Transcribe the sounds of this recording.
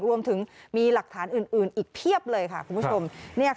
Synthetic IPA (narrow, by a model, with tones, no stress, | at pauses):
ɾu˧əmt̪ʰɯ˩˦ŋmiː˧la˨˩k̚t̪ʰaː˩˦nʔɯː˨˩nʔɯː˨˩nʔiː˨˩k̚p̪ʰi˥˩əp̚lɤː˧jkʰa̰˥˩kʰu˧pʰo˧mnɛ˥˩ə